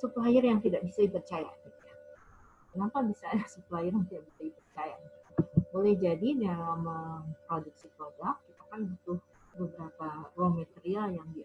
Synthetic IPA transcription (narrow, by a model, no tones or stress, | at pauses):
suplɦaɪrjaŋt̪idaʔbisadipərt͡ʃaja̰ɡit̪uja | maŋkabisaːdasuplɦajɪrjaŋt̪idaʔbisadipərt͡ʃaja | bolɛhd͡ʒadidalaməmpɾodʊk̚sipɾobakːit̪akanbut̪ʊh | bəbəɾaparuaŋmat̪eɾialjaŋdi